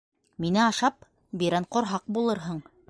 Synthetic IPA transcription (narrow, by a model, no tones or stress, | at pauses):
minɘɑʃɑp̚ | biɾæɴqŏɾɦɑq̚bulˠɤɾɦɤɴ